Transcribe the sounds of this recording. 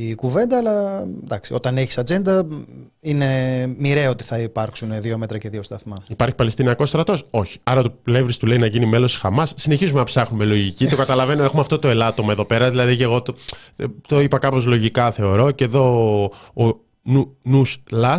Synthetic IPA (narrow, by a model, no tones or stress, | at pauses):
ikuve̞nd̪ɐːlɐd̪ɐksio̞t̪ɐne̞çisɐd͡ze̞nd̪ɐ | ine̞miɾeo̞t̪i̥θɐipɐɾksunðiomet̪ɾɐce̞ðio̞st̪ɐθmɐipɐɾçi̥pɐlest̪iniɐko̞st̪ɾɐt̪o̞so̞çi̥ɐɾɐt̪olevɾist̪ule̞inɐʝinime̞lo̞si̥xɐmɐsːine̞çizume̞nɐpsɐxnume̞lo̞ʝicit̪o̞kɐt̪ɐlɐve̞noexumeɐft̪o̞t̪o̞e̞lɐt̪o̞mɐeðo̞pe̞ɾɐðilɐðiceɣo̞t̪t̪o̞ipɐkɐpo̞zlo̞ʝikɐθe̞o̞ɾo̞ceðo̞ː | nunuslɐ